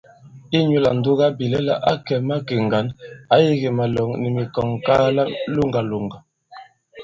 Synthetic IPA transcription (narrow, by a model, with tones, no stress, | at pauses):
i˦ɲu˦la˨n̩˨du˦ɣa˦bi˨lɛ˦la̰˦ʔa˦kɛ˨ma˦ke˨ŋɡa˨˦na˦ji˦ɣi˨ma˨lɔ˨ŋni˨mi˨kɔ˨ŋka˦la˦lu˦ŋɡa˨lu˨ŋɡa˨